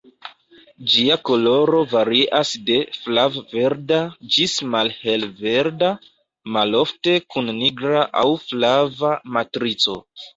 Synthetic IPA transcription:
d͡ʒiako̞lo̞ɾo̞vaɾiʔasde̞flavveɾdad͡ʒismalhe̞lve̞ɾda | malo̞fte̞kunːiɡɾaʔawflavamatɾit͡so̞

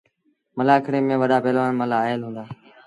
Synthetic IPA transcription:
məlaːkʰɽeːmẽːʋəɗaːpeːlʋaːnməlaːelɦũːnd̪aː

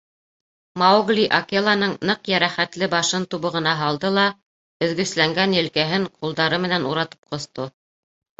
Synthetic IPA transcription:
maoɡlʲiʔokelˠɑnɤɴnɤqjæɾæχæt̪lɘbɑʃɤnt̪uβɤ̆ʁɤ̆nɑɦɑlˠd̪ɤlˠɑ | ɵ̆ðɡɵ̆slæŋɡænjɘ̆lkæɦɘɴqulˠd̪ɑɾɤmɘ̆nænuɾɑt̪ɤ̥p̚qŏθt̪o

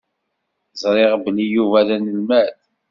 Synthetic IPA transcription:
zˤɾˤeʁbəlijuvæðænəlmæθ

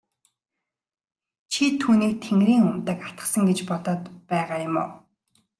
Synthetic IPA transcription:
t͡ɕʰit̪ʰuːniːk̚t̪ʰeŋɾiːŋɵm̥t̪ə̆kḁt̪ə̆sə̆ŋɡet͡ɕpɔt̪ɔːt̪pæːʁaːjʊmo̰ː

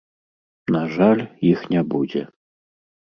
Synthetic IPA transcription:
naʐalʲjixnʲɛbud͡zʲɛ

